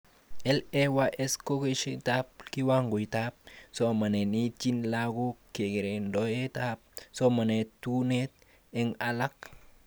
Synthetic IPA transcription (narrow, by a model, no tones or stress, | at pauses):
ʔɛlɛwaʔɛskokeʃitap̚kiwaŋɡojtap̚somanenitinlaɡukeɡeɾendɔjetap̚somanetunet̚ | ɛŋalak̚